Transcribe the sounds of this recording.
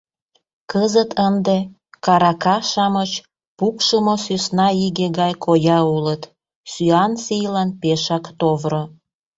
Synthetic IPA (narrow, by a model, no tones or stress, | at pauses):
kəzət̪ʰənd̪e | kɑɾɑkɑʃɑmət͡ɕ | pukʃəmosysnɑiɣeɣɑjkʰojɑulət̪ | syɑnsijlɑnpeʃɑkt̪ovɾo